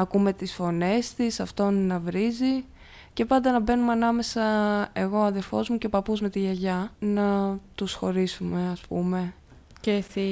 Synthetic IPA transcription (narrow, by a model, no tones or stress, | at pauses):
ɐkume̞t̪isfo̞ne̞st̪isɐft̪onnɐvɾizi | ce̞pɐnd̪ɐnɐbe̞numeɐnɐme̞sɐe̞ɣo̞ɐðe̞ɾfo̞zmuce̞pɐpuzme̞t̪iʝɐʝɐnɐt̪usxo̞ɾisume̞ɐspṵme̞ | ceθi